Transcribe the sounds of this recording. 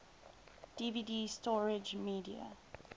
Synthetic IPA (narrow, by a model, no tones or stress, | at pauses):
d̥ividistɔɹɪd͡ʒmiːdiə̰